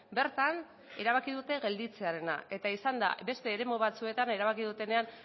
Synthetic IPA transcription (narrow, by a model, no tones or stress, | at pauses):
be̞ɾt̪an | e̞ɾaβ̞akið̞ut̪e̞ɣe̞ld̪it͡se̞aɾe̞na̰e̞t̪aisand̪a̰be̞st̪e̞ːɾe̞moβ̞at͡sue̞t̪ane̞ɾaβakiðut̪e̞ne̞an